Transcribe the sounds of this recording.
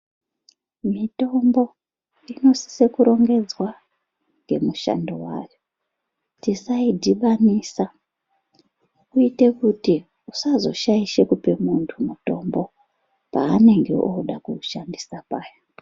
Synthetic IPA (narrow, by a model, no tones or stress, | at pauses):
mito̞mbo̞ | ino̞si̥se̞kuɾo̞ŋɡe̞d͡zwa | ŋɡe̞muʃa̰ndowa̰ːjo | tisaidʱiʋanisa | kuite̞kuti | usazo̞̰ʃaiʃekupe̞muntʰumuto̞mbo̞ | paːne̞ŋɡe̞̰ʔoɗakuʃandisapaːja